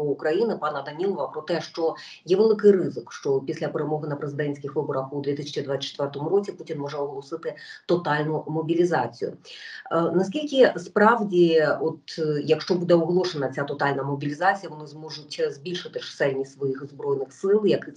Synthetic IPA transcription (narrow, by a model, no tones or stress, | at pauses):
kɾɐjinɪpɑnɐd̪ɐnʲilˠɔʋɐpɾɔt̪ɛʂt͡ʃɔ | jɛʋelˠɨkɪjrɪzɨkʃt͡ʂɔpʲisʲlʲɐpeɾemɔɦɪnɐpɾezɨd̪ɛnʲsʲkʲɪxʋɨbɔɾɐxud̪ʋʲit̪isʲɐt͡ʃid̪ʋat͡sʲsʲɐt͡ʃːɛt̪ʋɛrt̪ɔmuɾɔt͡sʲiputʲinmɔʐɛɔɦlˠɔsɪt̪ɪt̪ɔt̪ɑlʲnʊmɔbʲilʲizɑt͡sʲḭjʊ̰ | nɐsʲkʲilʲkʲɪspɾɑwdʲiɔt̪jɐkʂt͡ʃɔbud̪ɛɔɦlˠɔʃenɐt͡sʲat̪ɔt̪ɑlʲnɐmɔbʲilʲizɑt͡sʲijɐʋɔnɪzmɔʐʊtʲzʲbʲilʲʃɨt̪ɪʂsɛlʲnʲisʋɔjixzbɾɔjnɪxsɪlˠjɐkɪ